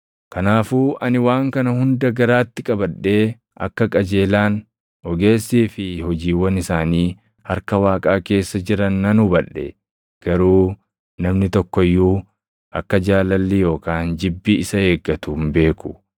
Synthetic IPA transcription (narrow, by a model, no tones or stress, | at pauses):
kɐnaːfuːʔɐnɪwaːŋkɐnɐhʊnd̪ɐɡɐɾaːt̪ːɪkʼɐbɐᶑːe̞ː | ʔɐ̰kːɐkʼɐd͡ʒe̞ːlaːn | ɔɡe̞ːsːiːfɪhɔd͡ʒiːwɐnɪsaːniː | hɐɾkɐwaːkʼaːke̞ːsːɐd͡ʒɪɾɐnːɐnʊbɐᶑːɛ̰ | ɡ̥ɐɾuː | nɐmnɪt̪ɔkːɔjːuː | ʔɐkːɐd͡ʒaːlɐlːijo̞ːkaːnd͡ʒɪbːiɪsɐe̞ːɡːɐt̪uːmbe̞ːkʊ̥